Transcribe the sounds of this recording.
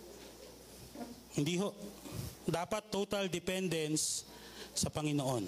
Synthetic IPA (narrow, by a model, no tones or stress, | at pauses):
hɪnd̪iɦoʔd̪aːpɐt̪ːot̪ɐld̪ɪpɛnd̪ɛnsː | ɐpɐŋɪnoʔon